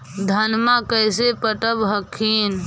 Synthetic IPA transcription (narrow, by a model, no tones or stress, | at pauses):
d̪ʱənmakəjsepəʈəbɦəkʰin